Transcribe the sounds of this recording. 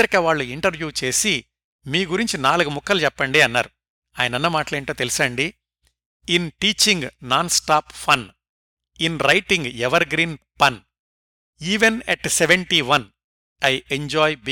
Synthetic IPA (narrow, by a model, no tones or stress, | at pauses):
ɐɾikɐʋaːɭːuiɳʈɐɾʋjuːt͡ʃe̞ːsi | miːɡuɾiɲt͡ʃinaːluɡumukʰːɐlut͡ʃɛpːɐɳɖiːɐnːa̰ːɾu | aːjɐnɐnːɐmaːʈɐleːɳʈoːt̪elisɐɳɖi | inʈiːt͡ʃiŋɡnaːnsʈaːppʰɐn | inɾɐjʈiŋɡɛʋɐɾɡɾiːnpɐn | iːʋenɛʈseʋeɳʈiʋɐn | ɐjeɲd͡ʒɔːjb